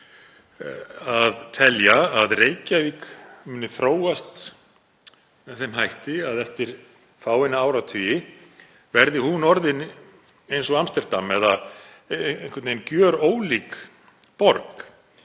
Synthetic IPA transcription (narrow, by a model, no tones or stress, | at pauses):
aðt̪ʰɛljaaðreːjcavikmʏnːɪθɾoːwast̪ | mɛθenhajht̪ɪaðɛft̪ɪɾ̥ | faːwɪnaaːwɾat̪ʰʏjɪ | vɛɾðɪhunɔɾðɪn | ejnsɔamst̪ɛɾd̪amɛða | ŋkvɛt̪nejncjœːɾoːwlik | pɔɾk